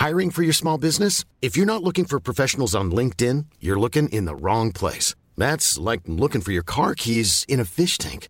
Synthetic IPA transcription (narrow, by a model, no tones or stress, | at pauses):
haɪɹɪ̃ŋfə˞jə˞smɔlˠbɪznɨs | ɨfjə˞nətˡlʊkɪ̃ŋfə˞pʰɹ̥ɔfɛʃn̩l̩ˠzn̩lɪ̃ŋk̚tɪ̃njə˞lʊkɪ̃ŋʔɪ̰̃nðə̰ɹɔ̃ŋpʰl̥ḛɪs | ðætslaɪk̚lʊkɪ̃ŋfə˞jə˞kʰɑɹkʰizɨ̃ñɨfɪʃtʰæ̰̃ŋk